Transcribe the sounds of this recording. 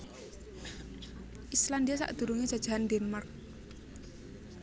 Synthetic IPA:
ʔislandiasa̰ʔd̪̥ṳɾuŋe̥ʒ̥ḁʒ̥a̤ɦandɛnmark̚

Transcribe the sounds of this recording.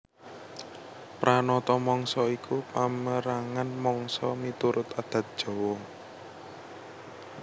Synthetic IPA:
pɾʔanɔt̪ɔmɔŋsɔikupaməɾaŋanmɔŋsɔmit̪uɾʊt̪ad̪̥ä̤t̪̚d̥ʒ̥ɔ̤wɔ

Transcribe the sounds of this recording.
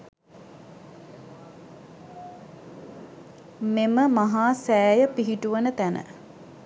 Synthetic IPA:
meməmaɦaːsæːjəpiɦiʈuʋənət̪ænə̰

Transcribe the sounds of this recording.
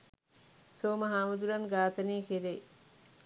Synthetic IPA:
soːmɐɦaːmud̪uɾɐnɡaːt̪ɐniːkeɾe

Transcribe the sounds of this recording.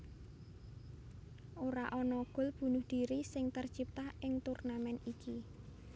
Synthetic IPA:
ʔoɾaʔɔnɔɡ̥ʊ̤lb̥ṳnʊhd̪̥i̤ɾisɪŋt̪ərt͡ʃip̚t̪ahʔɪŋt̪urnamɛnikʰi

